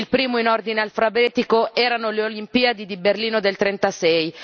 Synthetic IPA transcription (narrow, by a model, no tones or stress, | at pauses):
lpɾiːmoinord̪inealfɾabɛːt̪ikoɛːɾanoleolimpiːad̪id̪iberliːnod̪elt̪ɾɛnt̪asɛj